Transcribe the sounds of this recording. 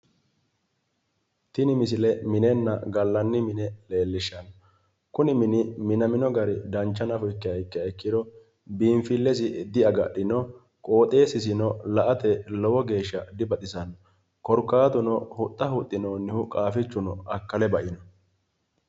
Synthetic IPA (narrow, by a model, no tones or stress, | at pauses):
t̪ɪnɪmɪs̬ɪlɛmɪnɛnːɐ̰ɡɐlːɐnːɪmɪnɛle̞ːlːɪʃɐnɔ | kʊnɪmɪnɪmɪnɐmɪnɔɡɐɾɪd̪ɐnt͡ʃːɐnɐfɔɪkːɪɐjkːɪɛkːɪd̪ɔ | biːɱfɪlːɛsɪd̪ɪɐɡɐɗɪnɔ | kʼo̞ːt̪ʼe̞ːsɪs̬ɪnɔlɐʔɐt̪ɛlɔwɔɡe̞ːʃːɐd̪ɪbɐt̪ʼɪsɐn | kɔɾkːaːt̪ʊnɔhʊt̪ʼːɐhʊt̪ʼːɪnoːnːɪhʊkʼaːfɪt͡ʃːʊnɔɐkːɐlɛbɐʔɪnɔ